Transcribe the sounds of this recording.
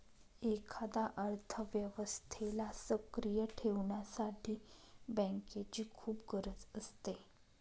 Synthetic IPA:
ekʰad̪aʔəɾt̪ʰəʋjəʋəst̪ʰelasəkɾijəʈʰeʋɳjasaʈʰiːbɛ̃ŋket͡ɕiːkʰuːp̚ɡəɾət͡səst̪e

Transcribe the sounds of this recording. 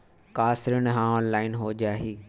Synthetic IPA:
kaːsɪɾənɦãːɔːnlaːɪnɦoːd͡ʒaːɦiː

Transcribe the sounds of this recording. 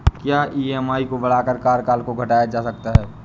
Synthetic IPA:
kjaːʔiːɛːmaːikobɐɽaːkəɾkaːɾkaːlkoɡʱɐʈaːjad͡ʒaːsɐk̚t̪aɦɛː

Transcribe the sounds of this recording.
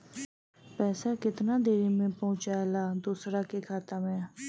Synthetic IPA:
pɛːsakɪt̪naːd̪eːɾimẽpəʊ̃t͡ʃaːelaːd̪uːsɾaːkekʰaːt̪əmɛ̃ː

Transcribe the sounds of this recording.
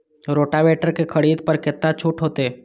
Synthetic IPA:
ɾoːʈaʋeːʈəɾkekʰɐɽiːd̪pɐɾkɪt̪nat͡ʃʰʊʈɦoːt̪e

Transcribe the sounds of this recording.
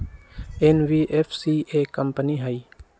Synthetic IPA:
enʋiːʔefsiːʔeːkəmpəniɦaiː

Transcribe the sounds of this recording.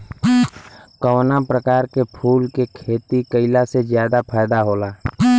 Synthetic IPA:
kəwnapɾəkaːɾkepʰuːlkekʰeːt̪ikəɪlasezjaːd̪apʰaːjd̪aɦoːlaː

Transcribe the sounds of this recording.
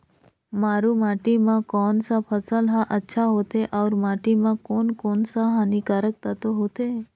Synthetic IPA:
maːɾũmaːʈimãkɔːnsapʰəsəlɦãʔətːʃʰaɦot̪eʔɔːɾmaːʈimãkoːnkɔːnsaɦanikaɾək̚t̪at̪oɦoːt̪eː

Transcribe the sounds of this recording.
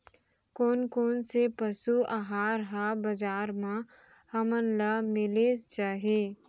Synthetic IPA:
koːnkoːnsepəsuʔaɦaːɾɦabɐd͡ʒaːɾmã | hɐmənlamɪlest͡ʃaːɦeː

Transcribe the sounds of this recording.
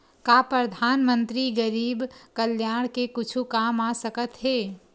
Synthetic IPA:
kapɾəd̪ʱaːnmənt̪ɾiɡəɾiːbkəljaɽ̃kekʊt͡ʃʰukamasəkət̪ɦe

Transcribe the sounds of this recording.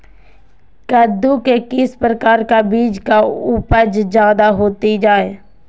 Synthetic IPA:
kəd̪ukekɪspɾəkaːɾkabiːd͡ʒkaʊpəd͡ʒd͡ʒaːd̪aɦoːt̪id͡ʒaːeː

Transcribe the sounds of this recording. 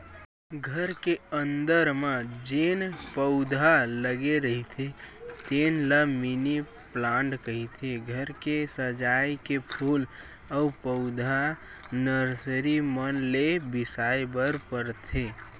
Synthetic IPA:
ɡʱəɾkeənd̪əɾmãd͡ʒenpəʊd̪ʱaləɡeɾəɦit̪ʰet̪enləmini | plãɳɖkəɦit̪ʰeɡʱəɾkesəd͡ʒajkepʰul | əupəʊd̪ʱa | nəɾsɾimənlebɪsajbəɾpəɾt̪ʰe

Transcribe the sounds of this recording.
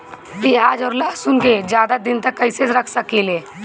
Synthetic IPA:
kiaːd͡ʒɔːɾlaːsʊ̃ŋked͡ʒjaːd̪ad̪ɪnt̪ɐkːɐɪseɾɐkʰsɐkileː

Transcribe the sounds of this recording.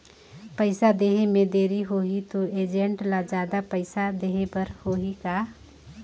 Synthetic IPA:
pəɪsad̪eɦemẽd̪eːɾiɦoɦit̪oeːd͡ʒẽɳʈlad͡ʒaːd̪apəɪsad̪eɦẽpəɾhoɦika

